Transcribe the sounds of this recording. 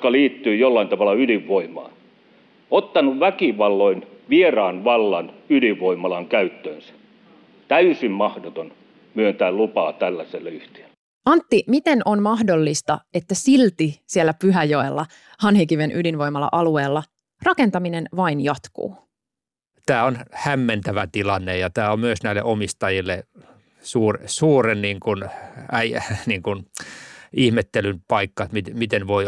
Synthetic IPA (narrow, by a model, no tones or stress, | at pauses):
kɑliːt̪ːyːjolːɑint̪ɑʋɑlːˑɑyliʋʋoimɑ̰ːn | ot̪ːɑnuʋʋækiʋɑlːoinʋierɑːnʋɑlːɑnyliʋʋoimɑlɑŋkæyt̪ːøːnsæ̥ | t̪æysimmɑhdot̪on | myønt̪æːllupɑːt̪ælːæselːyht̪e̥lː | ɑnt̪ːimit̪e̞nonmɑhdo̞lːist̪ɑe̞t̪ːæsilt̪isielːæpyɦæjoelːɑ | hɑnhikiʋenʔydinʋo̞imɑlːɑ̰ʔɑlue̞ːlːɑ | rɑke̞nt̪ɑminenʋɑinjɑt̪kṵː | t̪æːonhæmːent̪æʋæt̪ilɑnːejɑt̪æːommyøsnæilːḛʔomist̪ɑjilːe | suːrsuːrenniːŋkunæiniːŋkun | ihmet̪ːelynpɑikːɑmit̪mit̪enʋoi